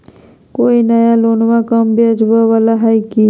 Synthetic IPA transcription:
koːinəjaloːnʋakəmbʱiɐd͡ʒbaʋalaɦajki

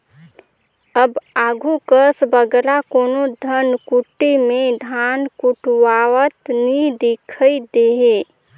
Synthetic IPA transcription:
əbaːɡʱukəsbəɡɾakoːnod̪ʱənkuʈːemẽd̪ʱankuʈwawət̪nid̪ikʰəjd̪eɦe

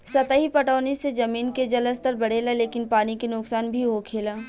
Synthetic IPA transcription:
sɐt̪əɦipɐʈaːnised͡ʒɐmiːnked͡ʒɐləst̪ɐɾbɐɽ̤eːlaleːkɪnpaːnikenʊksaːnbʱiɦokʰeːlaː

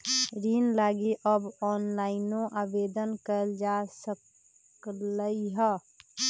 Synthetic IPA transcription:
ɾiːnlaːɡiʔɔːbɔːnlaːɪnõʔaːbeːd̪ənkəld͡ʒaːsək | ləiɦɛː

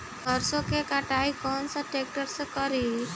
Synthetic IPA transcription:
həɾsokekaʈajkɔnsaʈek̚ʈəɾsəkɔɾi

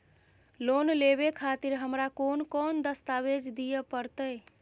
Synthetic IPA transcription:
lonleβekʰat̪iɾɦəmɾakonkond̪əst̪aʋed͡ʒd̪ijəpəɾt̪əj

